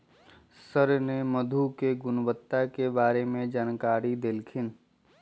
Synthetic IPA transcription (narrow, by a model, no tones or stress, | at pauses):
səɾneməd̪ʱukeɡʊnwət̪ːakebaːɾemẽd͡ʒaːnkaːɾid̪elkʰɪn